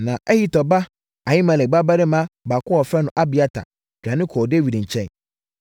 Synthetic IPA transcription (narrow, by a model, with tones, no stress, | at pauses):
nã˨ʔɛ˦hi˦tɔ˨ba˦ | a˨ji˦mã˨lɛ˨ɡ͡ba˦ba˦ɾɪ˦mã˦ba˨kʊ˦ɔ˨fɾɛ˦nʊ̃˨ʔa˦bi˨a˦tʰa̰˨ | d̥ᶣã˨nɪ̃˦kʰɔː˨de˦wi˨dɲ̩˨t͡ɕʰɛ̃˦n